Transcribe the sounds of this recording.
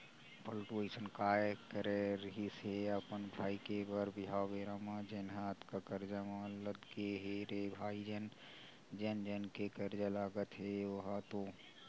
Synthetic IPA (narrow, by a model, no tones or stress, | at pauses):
pəlʈuesənkaːekəɾeɾɦiseəpənbʱaːikebəɾbɪɦaːʋeːɾamãd͡ʒenɦat̪kakəɾd͡ʒamaləd̪keɦeɾebʱaːid͡ʒen | d͡ʒend͡ʒenkekəɾd͡ʒalaːɡət̪ɦeʋəɦat̪o